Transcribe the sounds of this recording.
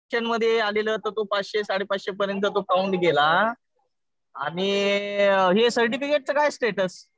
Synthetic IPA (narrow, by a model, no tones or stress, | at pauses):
ənməd̪ʱjealelət̪ət̪opat͡sɕesaɽepat͡sɕepəɾjənt̪ət̪okauɳɖɡela | a̰ɽ̃i | ɦesəɾʈ̬ifikeʈ̚t͡səkajsʈeʈəs